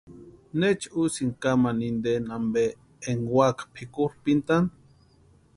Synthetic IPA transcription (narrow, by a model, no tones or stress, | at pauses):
net͡ʃusiŋkamanind̪enambe | eŋwakpʰikuɾpint̪an